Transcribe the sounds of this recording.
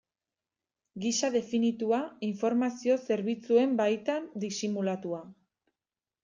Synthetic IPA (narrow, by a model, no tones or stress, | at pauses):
ɡisaðe̞finit̪uaiɱfo̞ɾmasio̞se̞ɾβit͡sue̞mbajt̪and̪isimulat̪ua